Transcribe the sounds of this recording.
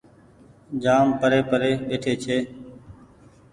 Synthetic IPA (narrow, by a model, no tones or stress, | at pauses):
d͡ʒaːmpəɾeːpəɾeːʋeːʈʰeːt͡ʃʰeː